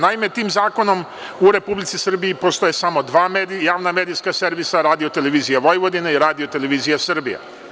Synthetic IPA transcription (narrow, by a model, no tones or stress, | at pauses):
naime̞t̪iːmzaːko̞no̞m | uɾe̞publit̪sisr̩biipost̪ojesamo̞d̪ʋaːmed̪ijaːʋname̞ːd̪ijskase̞ɾʋisaɾaːd̪io̞t̪e̞le̞ʋiːzijaʋojʋo̞d̪ineiɾaːd̪ijo̞t̪e̞le̞ʋiːzijasr̩bija̰